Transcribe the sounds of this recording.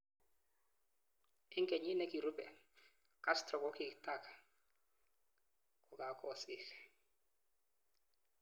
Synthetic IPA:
ɪ˦ŋkɛ˨ɲi˦nɛ˦ki˨ɾu˦pɛ˨ | ka˦stɾɔ˨kɔ˦ki˨kta˦˨ka˨ | kɔ˨ka˨kʰɔ˨sɪ˦x

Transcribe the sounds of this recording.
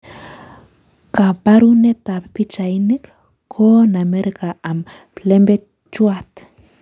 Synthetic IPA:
ka˨ba˦ɾu˦ne˦t̪a˨ppi˦t͡ʃa˨ini˦k | kʰo˦na˨me˦ɾika˨ʔa˨m | plembe˦ | t͡ʃuat̪

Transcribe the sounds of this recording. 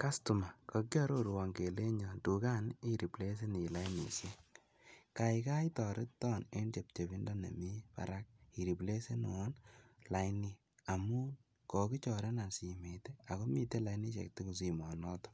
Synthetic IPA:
ka˦stu˨ma˨kɔ˨kjɔ˦ɾo˦ɾwa˨ŋɡe˨le˦ɲɔ˨tu˨ka˦ni˦ɾi˨ple˦s̬e˦ni˨la˦jnḭ˨se˦ | ka˨ika˦jtɔ˨ɾɪ˦tɔ˦˨ne˦nd͡ʒe˨p̚t͡ʃe˨βi˦ndɔ˦nḛ˨mi˦pa̰ɾa˦k̚i˨ɾi˨ple˦se˦nu˨wɔ˦nla˨jni˨ | a˨mu˦ | kɔ˨ki˦t͡ʃɔ˨ɾe˦na˨si˨me˨te˦a˨ko˦mi˨te˦la˨jni˦t͡ʃḛ˨k̚ti˦ku˨s̬i˨mɔ˨nɔ˦tɔ̥˦

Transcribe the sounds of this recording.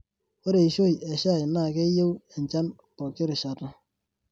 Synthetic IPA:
o˦ɾe˨i˨ʃo˦jɛ˨ʃa˦˨jna˦˨ke˦je˦wa˨ɲt͡ʃa˦n | pɔ˨kɪ˦ɾɪ˨ʃa˨ta˦

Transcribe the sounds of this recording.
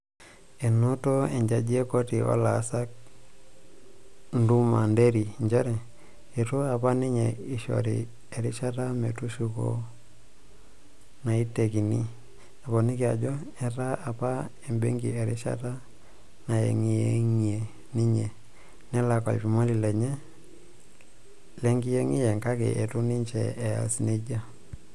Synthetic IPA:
e˨nu˦to˦e˨ɲd͡ʒa˨d͡ʒi˦e˦ko˦ti˨o̰˦la˨˦sa˦k̚ | ndu˦ma̰˨nde˦ɾi˨ɲd͡ʒɔ˦ɾɛ˨ | e˨tu˦a˨pa˦ni˦ɲe˨i˨ʃo̰˨ɾḭ˨ | e˨ɾi˦ʃa˦ta˦mḛ˨tu˦ʃu˦ko̰˦ | na˨i˦tːe˨ki˨nḭ˦ | a˨pɔ˨ni˦kɪ˨a˨d͡ʒɔ˦ | ɛ˦ta˦a˨pa˦ | ɛ˨mbḛ˦ŋɡḭ˨ɛ˨ɾɪ˦ʃa̰˦ta˦ | na˨jḛ˨ŋi˨e˦ŋi˨e˨ | ni˦ɲe˨ | nɛ˦la˨kɔ̰˨lpi˨ma˦li˨lɛ˨ɲɛ˦ | lɛ˦ŋɡi˦jɛ˦ŋi˦jɛ˨ŋka˦kḛ˨ʔe˨tu˦ni˦ɲt͡ʃɛ̰ː˨a̰˨sne˦d͡ʒa˦

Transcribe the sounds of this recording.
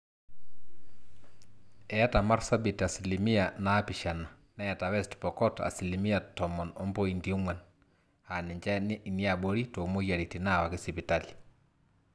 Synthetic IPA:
ɛa˦ta˨ma˦ɾsa˦bi˨ta˨si˨limi˦a˨naːpi˨ʃa˨na˨ | nɛ˦˨ta˨wɛ˦stpɔ˨kɔ˦ta̰˨si˨li˨mi˦a˨tɔ˨mɔ˨nɔ˦mbo˦indi˨u˦mwa˦n | a˨nɪ˨ɲd͡ʒa˦ni˨ni˦a˨ɓo˦ɾi˦to˨mo˦ja˨ɾi˨ti˨na˦˨wa˨kɪ˦si˨pi˨ta˦li̥

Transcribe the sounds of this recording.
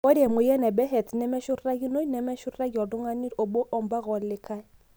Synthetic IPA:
o˦dɛ˨mʊ˨jɛ˦nɛ˨bɛ˦ɦɛ˨tnɛ˦mɛ˦ʃʊ˦rra˦ɡi˦no˦i˦nɛ˨mɛ˦ʃʊ˦rra˦ɡi˨ɔ˨dʊ˦ŋa˦ni˦ɾo˨bo˦ʔɔ˨m˦ba˦ɣɔ˨˦lɪ˦kʰa˦ɛ˦

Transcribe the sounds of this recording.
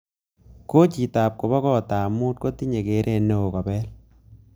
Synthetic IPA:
ko˦t͡ʃi˨ta˨p̚ko˨bɔ˦kɔ˦˨taː˨mu˦t̚ko˦ti˦ɲe˨ke˨˦ɾʔe˦˨nːe˦o˨kɔ˨bɛ˦l

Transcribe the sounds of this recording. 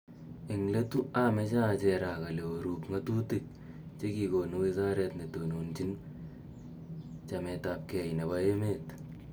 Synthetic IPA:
ɪ˨ŋle˦tu˦a˦me˦t͡ʃa˦˨t͡ʃe˨ɾa˨ka˨le˨o˨ɾu˨kŋa˦tu˦ti˨k̚ | t͡ʃe˦ki˨koː˨no˦wi˦za˦ɾɛ˨tne˨to˨no˨nt͡ʃi˦n | t͡ʃa˨mɛ˨ta˨p̚kɛ˨jne˨βa˦e˦me˦˨t

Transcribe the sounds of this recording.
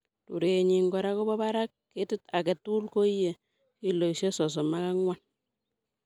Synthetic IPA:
tṵ˨ɾeː˨ɲi˨ŋɡɔ˨ɾa˦ko˦bɔ˦ba˦ɾa˦k̚ːetɪ˦ta˨ke˨tu˦lko˦je˨ | ki˦lo˨iʃe˦sɔ˨s̬ɔ˨ma˦ka˦ŋwa˦n

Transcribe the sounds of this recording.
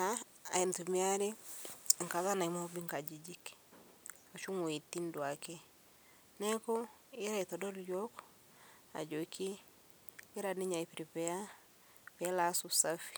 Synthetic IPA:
a | a̰˨i˨ntu˨mi˦a˦ɾe˦˨ŋ̩˨ka˨za˦na˨i˨mɔ˦bi˦ŋka˨d͡ʒi˨d͡ʒi˦k | ɔ˨ʃu˦ŋo˨i˨ti˦ndwa˨kɛ˦ | nɛ˦kɔ˦ | i˦ɾa˦i˨tɔ˨dɔ˦ɾjɔ˦k | a̰˨d͡ʒɔ˨kʰiː˦ | ɾa˨ni˦ɲa˨i˨pi˨ɾi˨pɛ˨ja˦ | pɛ˨˦la˨˦su˨sa˦fi̥˨

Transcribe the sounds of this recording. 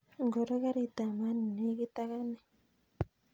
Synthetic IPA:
ŋɡo˨ɾɔ˦ɣa˦ɾi˨t̪a˨ma˦ni˨ne˦ɣi˦t̪a˦ɣa˦ne˨

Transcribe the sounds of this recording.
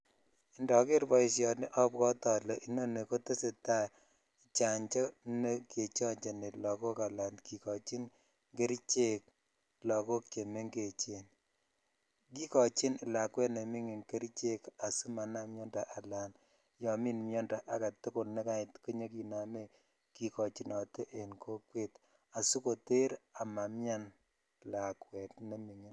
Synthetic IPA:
i˨ndɔ˨ke˦ɾbɔ˨i˨s̬jɔ˨nɪ˦ʔɔ˦pkɔ˦tɔ˨lɛ˨ʔi˦no˦ne˨ko˦te˦se˨ta˦ | t͡ʃa˨ɲt͡ʃa˦ne˦ke˨t͡ʃɔ˦ɲt͡ʃa˨ne˨lɔ˨ko˦ka˨la˨nki˨kɔ˨t͡ʃi˦n | ŋɡe˦ɾt͡ʃe˦k̚ | lɔ˨ko˦k̚t͡ʃe˨me˦ŋɡe˨t͡ʃe˨n | ki˦kɔ˨t͡ʃɪ˦n˨la˨kwɛ˦tne˨mi˦ŋe˨nke˦ɾt͡ʃe˦ka˨su˦ma˨na˦mjɔ˦nda˨ʔa˨la˨n | jɔ˨mi˦nmjɔ˦nda˨ʔa˨ɡa˨tʊ˦ko˨lne˦ka˦ɪ˨tko˦ɲo˦ki˨na˨me˦ | ki˨kɔ˨t͡ʃi˨nɔ˨tʔe˨nko˦kwe˦t | a˨su˦ko˨te˦ɾa˨ma˨mja˦n | la˨kwɛ˨tne˦mi˨ŋi˨˦n

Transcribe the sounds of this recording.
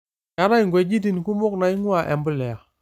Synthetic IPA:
ja˨˦na˦jŋɡwe˨ɟi˦di˨n˨ku˦mo˦kna˨ji˦ŋu˦a˨ʔɛ̰˨mbə˦lɛ˨a˨

